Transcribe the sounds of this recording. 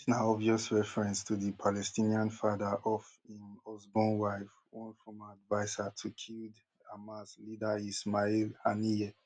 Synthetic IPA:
snaɔviɔsɹɛfɹɛ̃nstʰuðipʰalɛstĩniãnfadaʔɔfĩnɔzbɔ̃nwaɪfwɔ̃nfɹɔ̃maadvaɪsatʰukʰild | amaslidaismailaniɛ

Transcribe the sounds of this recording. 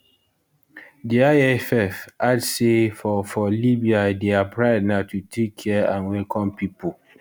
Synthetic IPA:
diaɛfɛfadsefɔfɔlibiadeapɹaɪdnaʊtʰutʰekʰːɛãnwɛlkʰɔ̃mpipo

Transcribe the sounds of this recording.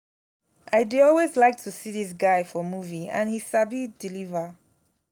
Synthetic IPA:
ʔaɪdiɔlwezlaɪk̚tʰusiðis̬ɡaɪfɔmuviã̰nhisabidilivə

